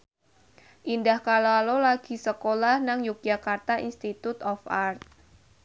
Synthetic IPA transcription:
ʔindahkaloalolaɡ̥i̤səkolahnaŋjuk̚d̥d͡ʒakart̪aʔḭnst̪it̪ut̪ɔfart̪̚

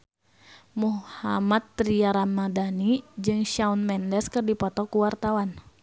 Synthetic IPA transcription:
muhamat̪ːɾiaɾamadanid͡ʒɨŋʃaunmɛndɛskɨrdipɔt̪ɔkuwart̪awan

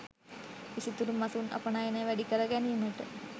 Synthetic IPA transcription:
isit̪uɾumːɐsuunɐ̰pɐɳajeneʋæɖikɐɾɐɡænijunːɐʈːɨ

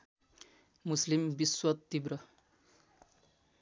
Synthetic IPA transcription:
muslimbiswʌt̪ːibɾʌ

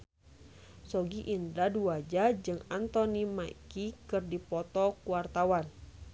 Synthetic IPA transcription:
sɔɡiʔindaduad͡ʒad͡ʒɨŋant̪ɔnimaikikɨrdipɔt̪ɔkuart̪awan

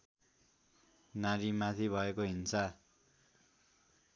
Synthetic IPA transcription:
naɾimat̪ʰibʱʌekoɦint͡sʰʌ

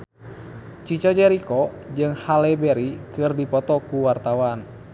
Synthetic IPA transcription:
t͡ʃit͡ʃɔd͡ʒɛɾikɔd͡ʒɨŋhalɛbɛɾikɨrdipɔt̪ɔkuwart̪awan

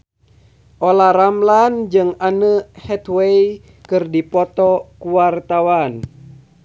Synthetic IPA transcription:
ʔolaɾamland͡ʒɨŋanəhɛt̪wej | kɨrdipɔt̪ɔkuwart̪awan

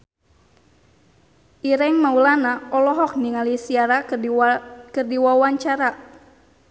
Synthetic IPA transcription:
ʔiɾɛŋmaulanaɔlɔɦɔk̚niŋalisiaɾa | kərdiwawaɲt͡ʃaɾa

